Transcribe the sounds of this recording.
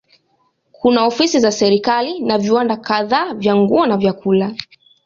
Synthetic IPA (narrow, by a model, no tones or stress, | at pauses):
kʰunaɔfisizasɛɾikalinaviwandakaðaːvjaŋɡuɔnavjakula